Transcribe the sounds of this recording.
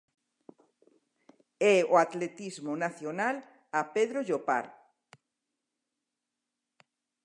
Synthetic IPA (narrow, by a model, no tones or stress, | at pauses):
ɛoat̪let̪izmʊnaθjonal | apeðɾoʒopa̰ɾ